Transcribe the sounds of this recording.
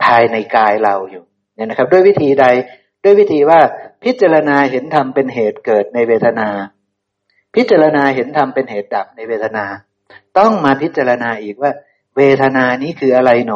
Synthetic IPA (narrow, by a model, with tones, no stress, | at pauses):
pʰaː˧jna˧jkaː˧jɾa˧wjuː˨˩ | na˦˥˨na˦˥k̚ʰd̪u˥˩jwi˦˥˩t̪ʰiː˧da˧j | du˥˩əjwi˦˥˩t̪ʰiː˧waː˥˩pʰi˦˥t̪̚t͡ɕaː˧ɾa˧naː˧ɦe˩˦nt̪ʰa˧mpe˧nɦeː˨˩t̪̚kɤː˨˩t̪̚na˧jweː˧t̪ʰa˧naː˧ | pʰi˦˥t̪̚t͡ɕaː˧ɾa˧naː˧ɦe˩˦nt̪ʰa˧mpe˧nheː˨˩t̪̚da˨˩p̚na˧jweː˧t̪ʰa˧naː˧ | t̪ɔ˥˩ŋmaː˧pʰi˦˥t̪̚t͡ɕaː˧ɾa˧naː˧ʔiː˨˩k̚waː˥˩ | weː˧t̪ʰa˧naː˧niː˦˥kʰɯː˧ʔa˧ɾa˧jnɔ˦